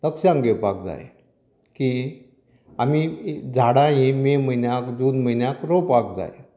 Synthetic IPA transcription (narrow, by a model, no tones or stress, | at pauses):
t̪əkɕãŋɡepak̚d͡za̰j | ki | amid͡zʱaɽãjemem̤əjnjakd̪uːd̪m̤əjnjakɾopak̚d͡za̰je